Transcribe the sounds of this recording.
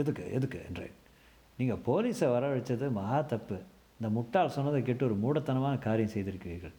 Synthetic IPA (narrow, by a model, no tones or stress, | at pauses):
ɛðɯkːɯ̰ʔɛ̰ðɯkːɯɛ̰ndrḛːn | niːŋɡɐpoːliːsɐʋɐɾɐʋɐɽɐt͡ʃːɐðɯmɐɦaːt̪ɐpːɯ | ɪnd̪ɐmʊʈːaːlsɔnːɐðɐk̬ɛʈːɯɔɾɯmuːɽɐt̪ːɐnɐmaːnɐkaːɾɪjɐ̃sɛjðɪɾɯkːɯʋiːɾɣɐ̰ɭ